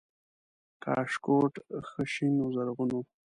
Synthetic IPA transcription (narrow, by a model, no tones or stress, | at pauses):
kʰɑ̰ːʂkoʈxəʃinuzaɾɣuno